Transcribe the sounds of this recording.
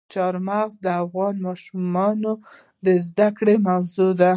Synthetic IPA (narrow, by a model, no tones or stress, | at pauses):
t͡ʃɑɾmaɣzd̪əafɣɑnmɑʃumɑno | d̪əzd̪akɽemawzud̪a